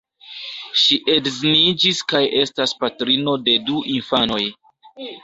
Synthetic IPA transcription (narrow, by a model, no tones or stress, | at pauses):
ʃiʔe̞dznid͡ʒiskaje̞staspatɾino̞de̞duʔinfano̞j